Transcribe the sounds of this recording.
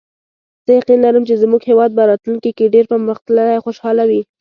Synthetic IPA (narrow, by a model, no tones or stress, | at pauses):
z̥əjaqinlaɾəmt͡ʃezmuɡhewɑd̪̚paɾɑt̪lunkikeɖeɾpəməxt̪lənajxoʃɑlawi